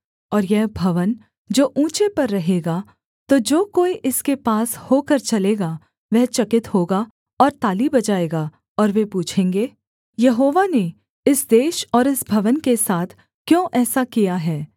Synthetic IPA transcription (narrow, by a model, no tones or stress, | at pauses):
ɔːɾjɛɦbʱɐʋən | d͡ʒoːʔũːt͡ʃepɐɾːɐɦeːɡa | t̪od͡ʒoːkoːiʔɪskepaːshoːkɐɾt͡ʃɐleːɡa | ʋɛɦt͡ʃɐkɪt̪hoːɡa | ɔːɾt̪aːlibɐd͡ʒaːeːɡaː | ɔːɾʋepuːt͡ʃʰẽːŋɡeː | jɐɦoːʋane | ɪsd̪eːʃɔːɾɪsbʱɐʋənkesaːt̪ʰ | kjõːʔɛːsakijaɦɛː